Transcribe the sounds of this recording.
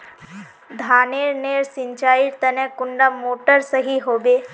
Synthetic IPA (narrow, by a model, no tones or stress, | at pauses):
d̪ʱaːneːɾneːɾsɪɲt͡ʃaːiɾt̪ənẽkʊɳɖamoːʈəɾsəɦiɦoːbeː